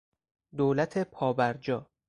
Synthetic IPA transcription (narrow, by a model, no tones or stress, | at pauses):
d̪oːlæt̪ʰe̞pʰɒːbæɾd͡ʒɒː